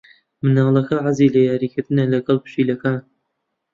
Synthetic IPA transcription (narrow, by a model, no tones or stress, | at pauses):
mɨnaːlˠɐkʰɐʕazilɐjaːɾiːkʰɪɾt̪ɨnɐlɐɡɨlˠpɨ̥ʃiːlɐkaːn